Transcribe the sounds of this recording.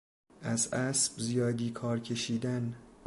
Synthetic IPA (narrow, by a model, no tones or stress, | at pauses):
ʔæzæsb̥zijɒːd̪iːkʰɒːɾcʰe̞ʃiːd̪æn